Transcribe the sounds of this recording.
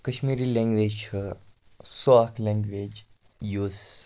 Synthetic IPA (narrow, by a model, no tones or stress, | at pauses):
kəʃmiːɾiːlẽŋɡʋeːd͡ʒt͡ʃʰə | soakʰlẽŋɡʋeːd͡ʒ | juːz